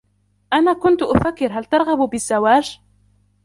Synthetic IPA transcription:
ʔanaːkʊnt̪ʊʔʊfakːɪɾɦalt̪ɑɾˤɣɑbbɪzːawaːd͡ʒ

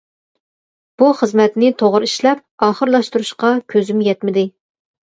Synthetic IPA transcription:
b̥uχəzmɛt̪nɪt̪ʰoʁɾiʃlɛp̚ɑːχəɾlˠɑʃt̪uɾuʃqɑkʲʰøzymjɛt̪mɪd̪ɪ

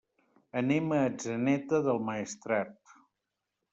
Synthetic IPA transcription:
əneməːd͡ʒənɛt̪əðəlˠməist̪ɾat̪

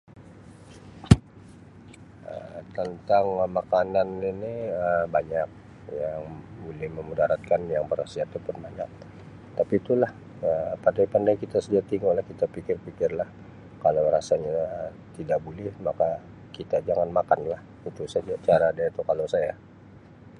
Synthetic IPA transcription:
ə̰t̪ənt̪aŋmakananiniəbaɲak̚ | jaŋbolɛhməmudaɾat̪̚kanjaŋbəɾasiat̪upʊnbaɲak̚ | t̪apit̪ulah | əpandajpandajkit̪asədiaʔ̚t̪iŋolahkit̪apikɪrpikɪrlah | kalawɾasaɲa | t̪idak̚bolɛhmaka | kit̪ad͡ʒaŋanmakanlah | it̪usad͡ʒat͡ʃaɾadait̪ukalawsaja

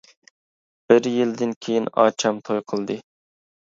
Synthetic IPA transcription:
b̥ɪɾjild̪ɪnkʲʰejinɑ̰ːt͡ʃʰɑmt̪ʰojqʰəlˠd̪ɨ

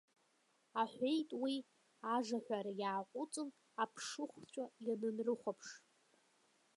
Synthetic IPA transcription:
aħʷᶣejtʼwi | aʐaħʷᶣaɾajaːqʷʼʊt͡sʼɨn | apʰʂɨχʷt͡ɕʷʰʼajanɨnrɨχʷapʰʂ

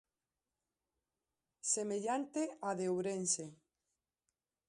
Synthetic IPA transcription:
semeʎant̪eaðeowɾense

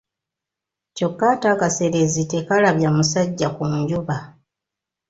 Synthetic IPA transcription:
co̞kːaːtakase̞ɾe̞zite̞kalaβjamusaɟːakuɲɟuβa

